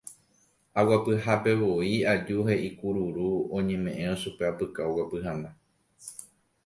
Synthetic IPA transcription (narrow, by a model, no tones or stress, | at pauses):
awapɨɦape̞ʋo̞iad͡ʒuɦe̞ʔikuɾuɾuõɲẽ̞mẽ̞ʔẽ̞oʃupe̞apɨkaowapɨɦãnd̪a